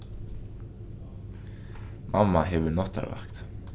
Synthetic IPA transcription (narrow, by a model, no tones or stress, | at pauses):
mamːaɦɛvʏnɔht̪a̰ɾva̰hkt̪